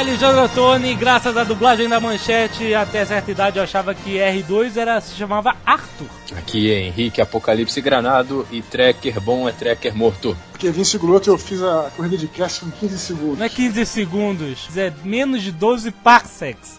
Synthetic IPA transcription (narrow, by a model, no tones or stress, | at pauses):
aliʒɐ̃d̪ɾot̪õnɪɡɾasɐzɐd̪ublaʒẽd̪ɐmɐ̃ʃɛt͡ʃɪat̪ɛɐsɛɾt̪ɐid̪ad͡ʒɪewaʃavɐkɪɛhɪd̪ojzɛɾɐsɪ̥ʃamavɐaɾt̪ʊ | a̰kiẽẽɦikɪapokalipsɪɡɾanad̪ʊɪt̪ɾɛkeɾbõw̃ɛt̪ɾɛkeɾmoɾt̪ʊpʊkevĩsɪɡulot̪ʊewfizɐkohid̪ɐd͡ʒɪkɾɛsɪmʊ̃kʲĩzɪsɪɡũɛkĩzɪsɪɡũnd̪ʊszɛmẽnʊzd͡ʒɪd̪ozɪpaksɛks